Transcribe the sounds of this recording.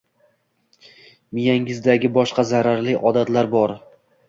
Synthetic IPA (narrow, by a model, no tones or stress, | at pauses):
mɪjaŋɪzd̪aɡʲɪbɒʃqɑzaɾaɾlɪʔɒd̪at̪laɾbɒɾ